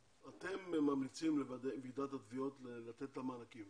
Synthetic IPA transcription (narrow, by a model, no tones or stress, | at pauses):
at̪e̞mmamlit͡simledvid̪at̪hatvio̞t̪lelat̪etlamanakim